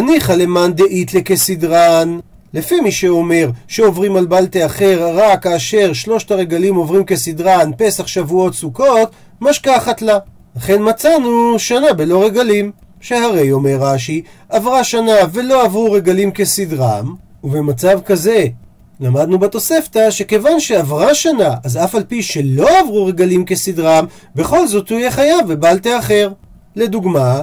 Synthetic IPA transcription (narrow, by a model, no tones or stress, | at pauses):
aniχale̞mand̪eʔit̪lekesidʁan | lefimiʃeo̞me̞ʁʃeo̞vʁimalbalt̪eaχeʁʁakaːʃe̞ʁʃlo̞ʃtaʁe̞ɡalimo̞vʁimke̞sidʁanpe̞saχʃavuo̞t̪suko̞t̪ | maʃkaχat̪la | laχe̞nmat͡sanuʃanabe̞lo̞ʁeɡalim | ʃe̞haʁe̞jo̞me̞ʁːaʃiavʁaʃanave̞lo̞avʁuʁe̞ɡalimke̞sidʁam | uvemat͡savkaze̞ | lamad̪nubet̪o̞se̞ft̪aʃe̞ke̞vanʃe̞avʁaʃanaʔazafalpiʃe̞lo̞avʁuʁe̞ɡalimke̞sidʁam | be̞χo̞lzo̞t̪huijeχajavebalt̪eaχe̞ʁ | le̞duɡma